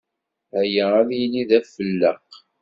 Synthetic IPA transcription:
hæjəæðjliðæfəlːəq

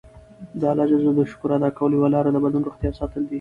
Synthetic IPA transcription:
d̪əalɑd͡ʒazod̪əʃʊ̥kuɾɑd̪ɑkawəlojwalɑɾad̪əbad̪lunɾoxt̪jɑsɑt̪əld̪i

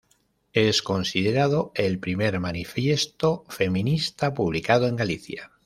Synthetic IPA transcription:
e̞sko̞nsið̞e̞ɾað̞o̞e̞lpɾime̞ɾmanifje̞st̪ofe̞mĩnist̪apuβ̞likað̞oe̞ŋɡaliθja̰

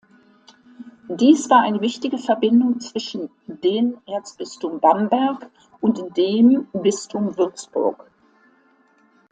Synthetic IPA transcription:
d̥iːsv̥aːɐʔaɪnəvɪçtɪɡəfɛɐbɪndʊŋt͡sv̥ɪʃn̩ | deːmʔeːɐt͡sb̥ɪstʊmbambɛɐk | ʊntd̥eːmbɪstʰʊmvʏɐt͡sb̥ʊ̰ɐk

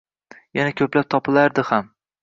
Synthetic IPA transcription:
janakʲʰɵplap̚t̪ʰɒpʰɪlaɾd̪ɪham

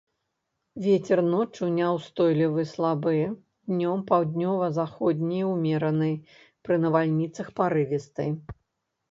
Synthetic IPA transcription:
vʲet͡sʲɛrnɔt͡ʂunʲawst̪ɔjlʲivɨslˠabɨj | d̪̥nʲɔmpawd̪ʲnʲɔvɐzaxɔd̪ʲnʲijwmʲɛɾɐnɨj | pɾɨnɐvalʲnʲit̪sɐxpaɾɨvʲɛst̪ɨ̰j

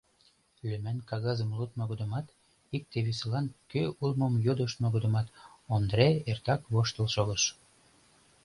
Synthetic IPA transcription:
lømænkɑɣɑzəmlut̪̚noɣod̪ə̆mɑt̪ | ik̚t̪eβisəlɑnkøulmomjod̪əʃnoɣod̪ə̆mɑt̪ond̪ɾeert̪ɑkβoʃt̪əlʃoɣəʃ

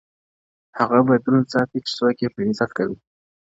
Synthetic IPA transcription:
haɣabad̪uɾunt͡sɑt̪it͡ʃɪ̥sokepɪzat̪kawi

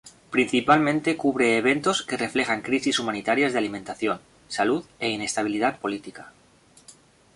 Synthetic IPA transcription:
pɾinθipalmẽnt̪e̞kuβɾe̞ːβ̞e̞nt̪o̞ske̞re̞fle̞xaŋkɾisisumãnit̪aɾjazðalimẽnt̪aθjo̞n | saluðe̞ine̞st̪aβ̞iliðat̪̚po̞lit̪ika

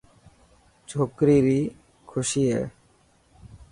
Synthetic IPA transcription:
t͡ɕʰokɾiɾi | kʰuʃiḛ

